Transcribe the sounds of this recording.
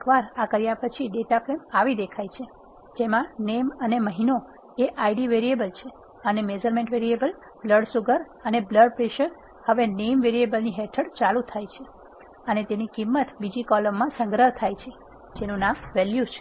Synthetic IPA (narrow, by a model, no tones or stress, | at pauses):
ekʋaɾakəɾjapət͡ʃʰiɖeʈaplemaʋid̪ekʰajt͡ʃʰe | d͡ʒemãneməneməɦino | eʔaiɖiʋeɾiebəlt͡ʃʰe | ənemed͡ʒəɾmẽɳʈʋeɾiebəl | bləɖsuɡəɾ | ənebləɖpɾeʃəɾ | həʋenemʋeɾiebəlniɦɛt̪ʰəɽt͡ʃalut̪ʰajt͡ʃʰe | ənet̪enikimːət̪bid͡ʒikɔləmːãsə̃ŋɡɾəɦt̪ʰajt͡ʃʰe | d͡ʒenũnamʋɛljut͡ʃʰe